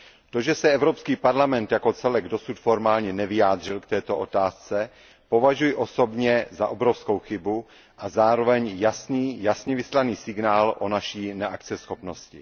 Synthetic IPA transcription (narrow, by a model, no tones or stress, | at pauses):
t̪o̞ʒɛsɛɛvɾo̞pskiːpaɾlamɛnt̪jako̞t͡sɛlɛɡdo̞sut̪foɾmaːlɲɛnɛvɪjaːd̪r̝ɪlkt̪ɛːt̪o̞ʔot̪aːst͡sɛ | po̞vaʒujɪʔoso̞bɲɛzaʔobɾo̞fsko̞wxɪbu | ʔazaːɾo̞vɛɲjasniːjasɲɛvɪslaniːsɪɡnaːlʔo̞naʃiːnɛʔakt͡sɛsxo̞pno̞scɪ̰